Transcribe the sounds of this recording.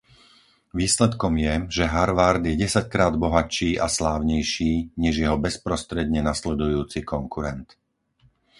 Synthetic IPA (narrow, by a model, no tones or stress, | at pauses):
ʋiːslɛt̪kɔmjɛʒɛɦaɾʋaɾd̪jɛɟɛsackɾaːd̪bɔɦat͡ʃiːʔaslaːʊɲɛjʃiːɲɛʒjɛɦɔbɛspɾɔst̪ɾɛd̪ɲɛnaslɛd̪ujuːt͡sikɔŋkuɾɛnt̪